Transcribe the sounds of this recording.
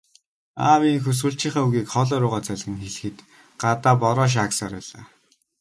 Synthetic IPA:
aːwiːŋxɵs̬wuːɬt͡ɕiːχaːuɣiːkχɔɮɔːɾʊːʁaːt͡sæɮɣɘ̆ŋxeɮ̆xɘ̆t̪ | ɢat̪aːpɔɾɔːʃ̬aksaːɾpæ̰ːɮa̰ː

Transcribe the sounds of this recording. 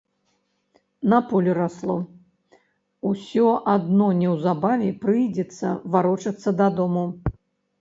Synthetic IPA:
nɐpɔlʲuɾaslˠɔ | usʲɔʔad̪nɔnʲɛwzabavʲɛpɾɨjd͡zʲɛt̪sːɐ̰vaɾɔt͡ʂɐt̪sːɐd̪ad̪ɔmu

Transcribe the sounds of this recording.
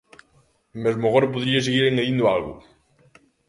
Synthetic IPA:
mezmaɣoɾap̬oðɾiaseɣiɾeŋeðind̪ʊalɣʊ̰

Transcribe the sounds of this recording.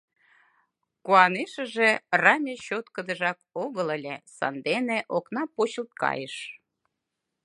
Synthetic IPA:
kuɑneʃə̆ʒerɑmʲeɕot̪kə̆d̪ə̆ʒɑkoɣələlʲesɑ̰nd̪eneʔoknɑpot͡ɕəlt̪̚kɑ̰jəʃ

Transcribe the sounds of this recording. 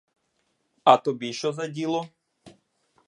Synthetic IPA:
at̪obiʃɔzadʲilˠɔ

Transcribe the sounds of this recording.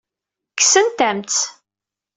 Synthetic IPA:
kːsənt̪æmt͡s

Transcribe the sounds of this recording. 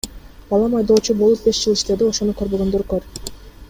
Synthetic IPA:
bɑlˠɑmɑjd̪o̞ːt͡ʃubolˠup̚be̞ʃd͡ʒɯlˠiʃt̪e̞d̪io̞ʃo̞n̪ukø̞ɾbø̞ɡønd̪øɾkøɾ

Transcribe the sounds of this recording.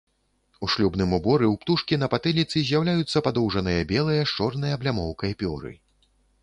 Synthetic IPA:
uʂlʲubnɨmubɔɾɨwpt̪uʂkʲinɐpat̪ɨlʲit̪sɨzʲjawlʲajut̪sːɐpad̪ɔwʐɐnɨjɐbʲɛlˠɨjɐʂt͡ʂɔrnɨjɐblʲamɔwkɐjɐpʲɔɾɨ̰

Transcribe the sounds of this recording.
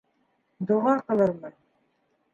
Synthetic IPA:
d̪ŏʁɑqɤ̆lˠɤ̆ɾmɤ

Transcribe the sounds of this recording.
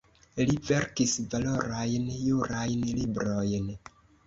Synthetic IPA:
live̞ɾkisvalo̞ɾajnjuɾajnlibɾo̞jn

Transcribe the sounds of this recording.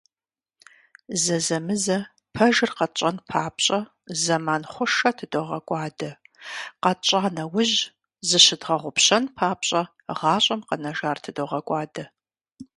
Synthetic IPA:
zɐzɐmɨzɐ | pʰɐʒɨrqɐt͡ʃʼɐnpʰaːpɕʼɐ | zɐmaːnχʷʊʂɐtʰɨdoʁɐkʷʼɑːdɐqɐt͡ʃʼaːnɐwʊʑ | zɨɕɪdʁɐʁʷʊpɕɐnpʰaːpɕʼɐ | ʁɑːɕʷʼɐmqɐnɐʒaːrtʰɨdoʁɐkʷʼɑːdɐ

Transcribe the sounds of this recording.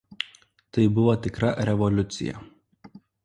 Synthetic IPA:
t̪ɐɪbʊʋot̪ʲɪkɾɐɾʲɛʋɔlʲʊt̪sʲɪ̰jɛ̰

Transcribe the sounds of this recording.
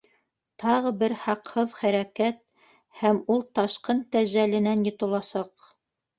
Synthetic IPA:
t̪ʰɑʁɤbɘɾhɑqhɤðχæɾækæt̪̚ | hæmulˠt̪ɑʃqɤnt̪æʑælɘ̆nænjŏt̪ɤ̆lˠɑsɑq

